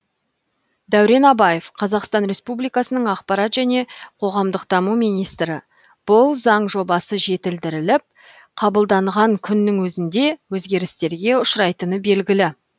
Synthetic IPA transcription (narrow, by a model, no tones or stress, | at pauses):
d̪æwɾe̞nɑbɑje̞fqʰɑzɑqst̪ɑnɾe̞spublijkɑsənəɴɑqpɑɾɑt̪ʒ̥æne̞qʰo̞ʁɑmd̪əqd̪̥ɑmumijnijst̪ɾɪ | b̥ʊlˠzɑɴʒo̞bɑsəʒe̞t̪ɪld̪ɪɾɪlɪp̚ | qʰɑbəlˠd̪ɑɴʁɑŋkʲʰʏnːɪŋwɵzɪnd̪e̞wɵzɡʲe̞ɾɪst̪e̞ɾɡʲe̞ʊʃɾɑjt̪ənəbe̞lɡʲɪlɪ